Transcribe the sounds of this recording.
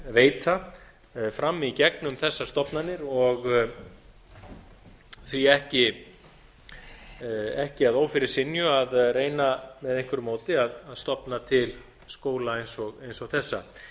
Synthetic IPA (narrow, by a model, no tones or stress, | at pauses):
veːjt̪a | fɾamːicɛknʏmθɛsːast̪ɔpnanːɪɾɔɣ | θviɛhcɪ | ɛhcɪaðoːwfɪɾɪɾ̥sɪnjʏaðreːjnamɛðejŋkvʏɾʏmoːwt̪ɪaðaðst̪ɔpnat̪ʰɪl | skoːwlaejnsɔɣejnsɔɣθɛsːa̰